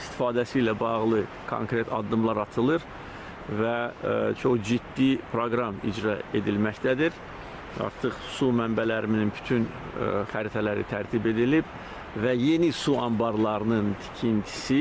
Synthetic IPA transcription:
ist̪i̥fɑːd̪æsilæbɑʁlˠɯ | kʰo̰ŋkɾe̞t̪ʰɑ̰d̪ːɯmlˠɑɾɑt̪ʰɯlˠɯɾ | væt͡ʃʰo̞χd͡ʒid̪̥ːipʰɾo̞ɡɾɑmḭd͡ʒɾɑe̞d̪ilmæçt̪ʰæd̪iɾ | ɑ̰ɾt̪ʰɯχsumæmbælæɾimninby̥t̪ʰyn | χæɾit̪ʰælæɾḭt̪ʰæɾt̪ʰibe̞d̪ilib | væje̞nisuɑmbɑɾlˠɑɾɯnɯnt̪ʰi̥cʰint̪ʰi̥si

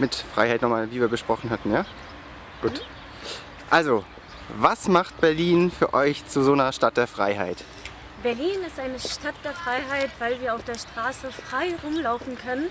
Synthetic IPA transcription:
mɪtfʁ̥a̰ɪhaɪtnɔχmaːlviːviːɐɡəʃpʁ̥ɔχn̩hatn̩jaː | ɡ̥uːt | ʔalzo | vasmaχtb̥ɛɐliːnfyːɐʔɔʏçt͡suzoːnɐʃtat̚d̥eːɐfʁ̥a̰ɪɦa̰ɪt | b̥ɛɐliːnɪstʔaɪnəʃtat̚d̥eːɐfʁ̥aɪɦaɪtv̥aɪlviːɐaʊfd̥eːɐʃtʁ̥aːsəfʁ̥aɪʁʊmlaʊfn̩kʰœnən

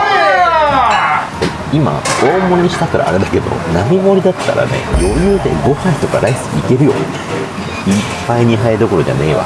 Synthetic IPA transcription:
t̪e | ima̰oːmo̞ɲ̟iɕi̥t̪akɯɾa̰ːɾed̪ake̞d̪o̞̰namʲimo̞ɾʲid̪at̪ːa̰ɾa̰ne̞̰jo̞jɯːd̪e̞̰ɡo̞hait̪o̞kaɾaisɨ̥ɡiike̞ɾɯ̟jo̞̰ | ippːaiɲ̟iɦaed̪o̞ko̞ɾo̞d͡ʑa̰neːβa̰

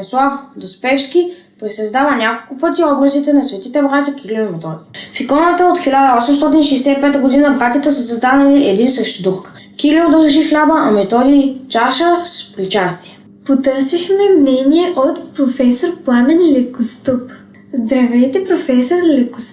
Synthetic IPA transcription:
nslˠafd̪ospɛfskʲi | pɾisɐzd̪avənʲakolˠkʊpət̪iɔbɾəzit̪ɛnɐsvɛt̪it̪ɛbɾat̪ʲəkilʲimɛt̪ɔd̪ʲifikɔnət̪əot̪xilʲad̪əɔsɛmst̪ɔt̪ʲinʃɛjsɛipɛt̪əɡod̪inəbɾat̪ʲit̪ɛsəsɐzd̪anɐliʔɛd̪insəʃt̪id̪uk | kiliod̪əɾʒixlʲabəʔːmɛt̪ɔd̪iːt͡ʃaʃəspɾit͡ʃast̪iɛ | pot̪ɤɾsixmɛmnɛniɛʔot̪pɾofɛsoɾplˠamɛnilɛkost̪ɔp | zd̪ɾɐvɛt̪ɛpɾofɛsoɾlɛkʊs

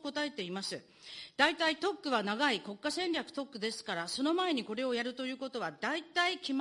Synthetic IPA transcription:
ko̞t̪ae̞t̪e̞imasɨ | d̪ait̪ait̪o̞kːɯ̟βanaɡaiko̞kːasẽ̞nɾʲjakɯ̟̥t̪o̞kːɯ̟d̪e̞sɨ̥kaɾaso̞no̞mae̞ɲ̟iko̞ɾe̞o̞jaɾɯ̟t̪o̞jɯ̟ːko̞t̪o̞βad̪ait̪aikʲim

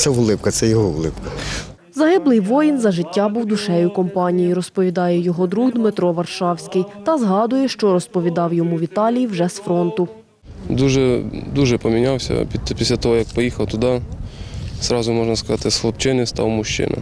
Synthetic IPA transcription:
t̪sɛʊlˠɪpkɐt̪sɛjɔɦɔʊlˠɪpkɐ̥ | zɐɦɪblˠɪjʋɔjinzɐʒɪtʲːabuwd̪ʊʃɛjʊkɔmpɑnʲijiɾɔspɔʋʲid̪ɑjɛjɔɦɔd̪ɾuɣd̪mɪt̪ɾɔʋɐrʃɑwsʲkɪjt̪ɐzɦɑd̪ʊjɛʃt͡ʃɔɾɔspɔʋʲid̪ɑwjɔmuʋʲit̪ɑlʲijiwʒɛsfɾɔnt̪ʊ | d̪uʒɛd̪uʒɛpɔmʲinʲɑwsʲɐ̰pʲipʲisʲlʲɐt̪ɔɦɔjɐk̚pɔjixɐwt̪ʊd̪ɑ | z̥ɾɑzʊmɔʒnɐskɐzɑt̪ɪsxlˠɔpt͡ʃɪnɪst̪ɑ̰wmʊʃt͡ʃɪ̰nɐ̰

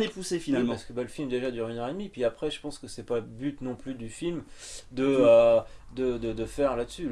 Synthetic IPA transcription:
epusefinalmpaʁsə̥kəbaləfilmd̪eʒad̪yʁynœʁed̪mipɥiapχɛʒəpɑ̃skəsɛpabyt̪nɔ̃plyd̪yfilmd̪əød̪əd̪əd̪əfɛʁlad̪əsy

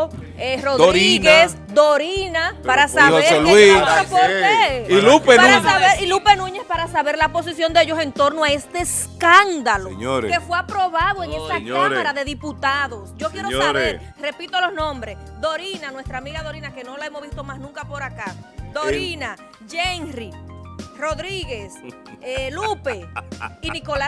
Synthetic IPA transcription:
eroðɾiɣes | d̪oɾinapaɾasaoeɾelwiopoeilupepanɾuasaβeɾilupe̞nũɲe̞spaɾasaβe̞ɾlapo̞s̬isjo̞nd̪eeʝo̞se̞nt̪o̞ɾnoae̞st̪eːs | kand̪aloɲkefweapɾo̞βaðoeŋesaamaɾaðe̞ðiput̪aðo̞sɟ͡ʝo̞kjeɾosaβeɾ | re̞pit̪o̞lo̞snõ̞mbɾesd̪o̞ɾinanwe̞st̪ɾaːmiɣaðo̞ɾinake̞nolaemosβist̪o̞masnũŋkapo̞ɾakad̪oɾina | ʝeŋriro̞ðɾiɣe̞s | lupeiniko̞la

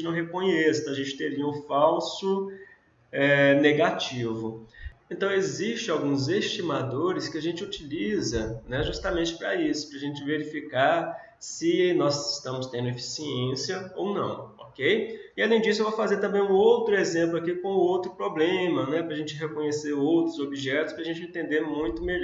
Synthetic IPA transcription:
ɪnɐ̃w̃ɦekõɲɛsɪ̃t̪ɐ̃w̃aʒẽnt͡ʃɪ̥t̪eɾiɐũfawsʊ | ɛneɡat͡ʃivʊẽnt̪ɐ̃w̃eziʃt͡ʃɪ̃awɡũzest͡ʃimad̪oɾɪskɪaʒẽnt͡ʃɪut͡ʃilizɐnɛʒust̪amẽnt͡ʃɪ̥pɾɐ̰isʊ̥pɾɐʒẽnt͡ʃɪveɾifikaɾ | sɪnɔsɪst̪ɐ̃mʊst̪ẽnd̪ʊefi̥siẽsijɐownɐ̰̃w̃ɔ̰kejɪalẽj̃d͡ʒisʊewvowfazeɾt̪ɐ̃mbẽj̃ũowt̪ɾʊezẽmplʊakikõʊowt̪ɾʊpɾoblẽmɐnɛpɾɐʒẽnt͡ʃɪɦekõɲeseɾowt̪ɾʊzobiʒɛt̪ʊ̥spɾɐʒẽnt͡ʃɪẽnt̪ẽnd̪eɾmũj̃t̪ʊmeʎɔ

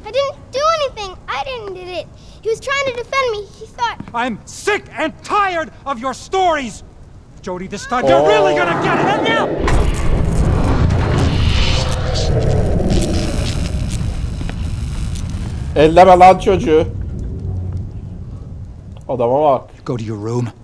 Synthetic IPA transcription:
aɪdɪdⁿn̩d̥ɨɛniθɪ̃ŋaɪɾɪdⁿn̩dɪɾɪt̚ | hiwʌz̥tʰɹ̥aɪɪ̃ŋtʰɨdɨfɛ̃nmihiθɔt̚ãɪ̃msɪkɨ̃ntʰaɪə˞ɾʌvjə˞stɔɹiz̥ | d͡ʒ̥oʊɾiðɪstʰãɪ̃jə˞ɹɪlˠiɡʌnɨɡɛɾɨɾɨtnaʊ | ɛlːɛmælad̪t͡ʃʰod͡ʒu | ɔd̪amawakɡ̥oʊɾɨjə˞ɹũm

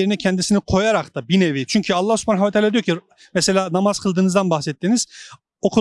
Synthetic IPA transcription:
eɾinɛcʰɛnd̪isinikʰo̞jaɾakt̪abinevit͡ʃʰyɲcʰyalˠːahsu̥pʰanaɦavat̪ʰalaːd̪ijocʰi | mese̞lʲaːnamaz̥kʰɯlˠd̪ɯːnɯzd̪anbaxsɛt̪ːiniz̥ | okʰu

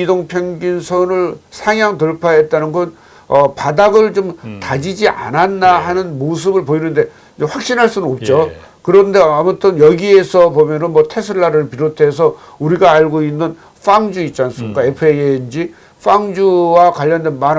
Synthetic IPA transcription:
idoŋpʰjʌŋɡinsʰʌnɯɭsʰaŋjaŋtɯɭpʰaɦet̚t͈anɯnɡʌn | ʌpadaɡɯɭt͡ɕomtad͡ʑid͡ʑiʔa̰nanːahanɯnmos̬ʰɯbɯɭpoinɯnde̞ | d͡ʑeɸwak̚ɕ͈inɦaɭs͈unɯnop̚t͡ɕ͈o | kɯɾʌnde̞amutʰɯnjʌɡie̞sʰʌpomjʌnɯnmʌtʰe̞sʰuɭːaɾɯɭpiɾotʰe̞s̬ʰʌ | uɾiɡaːɭɡoinːɯn | f͈aŋd͡ʑuit͡ɕ͈ans͈ʰɯmik͈aepʰɯejend͡ʑi | ɸ͈aŋd͡ʑuwakwaʎːʌndenman

